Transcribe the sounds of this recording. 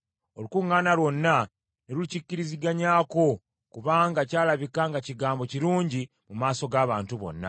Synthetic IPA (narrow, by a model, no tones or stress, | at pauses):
o̞lukuŋːaːnalwo̞nːa | neɾulicicːiɾiziɡaɲaːko̞ | kuβaːŋɡacaːlaβikaŋɡaciɡaːmbo̞ciɾuːɲɟi | mumaːso̞ɡaːβaːntuβo̞̰nːa̰